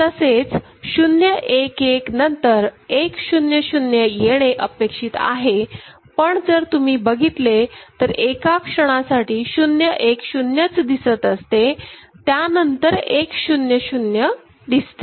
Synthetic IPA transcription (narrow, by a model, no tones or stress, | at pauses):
t̪əset͡s | ɕunjəʔekeknənt̪əɾekɕunjəɕunjəjeɽ̃eʔəpekʂiːt̪a̰ɦe | pəɳd͡zəɾt̪um̤iːbəɡʱit̪let̪əɾekakʂəɽ̃asaʈiːɕunjəʔekɕunjət͡sd̪isət̪əst̪e | t̪janənt̪əɾekɕunjəɕunjə | d̪ist̪e